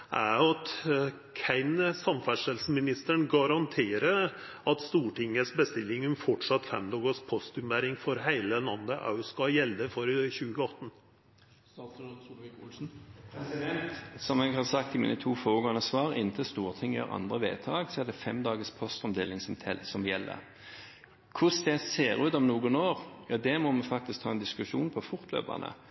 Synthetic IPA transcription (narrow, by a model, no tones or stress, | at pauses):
ʔæɑt̪ | kʰæɪnsɑmfæʂəlsmɪnɪst̪əɳɡɑɾɑnt̪ʰeːɾə | ɑt̪st̪uːʈɪŋːəsbəst̪ɪlːɪŋʉmfɔʈʂɑt̪ːfɛ̰md̪ɑːɡəspʰɔst̪ʉmbæɾɪŋfɔɾɦæɪləlɑnd̪əʔɑʉskɑjɛld̪əfɔɾəçʉːɡəɔt̪ːn | s | kulsn̩pʰɾɛsɪd̪ɛnt̪sɔmɛɡhɑsɑk̚t̪ɪmḭːnət̪ʰuːfoːɡoːənəsʋɑːʁɪ̰nt̪ʰəst̪uːʁt̪ʰɪŋːjø̰ːʁɑ̰nd̪ʁəʋḛːt̪ʰɑːɡsɔɛːd̪ɛfɛmd̪ɑːɡəspʰɔst̪ɔmd̪eːlɪŋsɔmt̪ʰɛlsɔmjɛlːə̰ | kʰʊsd̪ɛseːʁʉːt̪ɔmnuːɡʊnoːʁjɑːd̪ɛmɔmɛfɑk̚t̪ɪskt̪ʰɑːɛnd̪ɪskʉʂuːnpʰɔfʊɾt̪ʰlø̰ːpɑ̰nʔə̰